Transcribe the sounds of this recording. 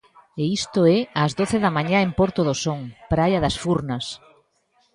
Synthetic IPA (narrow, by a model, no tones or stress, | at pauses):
eist̪oɛɐzðoθeðɐmaɲãempoɾt̪oðosoŋpɾajɐðɐsfuɾnɐs